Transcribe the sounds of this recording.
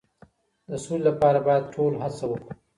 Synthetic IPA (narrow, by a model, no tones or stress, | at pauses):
d̪əsullapɑɾabɑjad̪̚ʈʰolɦasawəku